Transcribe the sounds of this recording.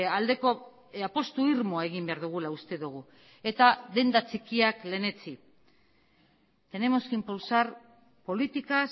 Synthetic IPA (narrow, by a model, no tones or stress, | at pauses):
ald̪e̞ko̞ | apo̞st̪uiɾmoae̞ɣ̞imbe̞aɾðuɣ̞ulaust̪e̞ðuɣ̞u | e̞t̪aðe̞nd̪at͡sikiakle̞ne̞t͡si | t̪e̞ne̞mo̞skimpulsar | po̞lit̪ikas